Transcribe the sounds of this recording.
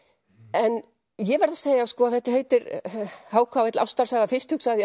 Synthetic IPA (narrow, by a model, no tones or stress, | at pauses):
ɛn | jɛvɛɾðaseːjaskɔːaðθɛht̪aheːjt̪ɪɾhaːwkʰvawɛjt̪lʔa̰wst̪aɾ̥saːɣafɪst̪hʏksaðj